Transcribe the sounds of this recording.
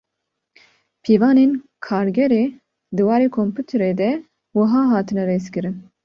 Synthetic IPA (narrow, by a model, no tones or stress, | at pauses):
pʰeːvɑːneːn | kʰɑːɾɡɛɾeː | d̪ɨwɑːɾeːkʰompʰuːt̪ʰɾeːd̪ɛ | wɨɦɑːɦɑːt̪ʰɨnɛɾeːskɨɾɨn